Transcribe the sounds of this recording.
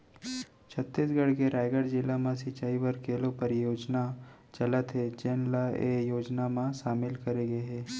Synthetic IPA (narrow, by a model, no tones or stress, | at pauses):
t͡ʃʰət̪ːisɡəɽkeɾaːɪɡəɾd͡ʒɪlːamãsɪt͡ʃaːiʋəɾkeːlõpəɾjoːd͡ʒna | t͡ʃɐlət̪ɦɛt͡ʃɛːnlaejoːd͡ʒnamãʃaːmɪlkɐɾeɡeɦɛː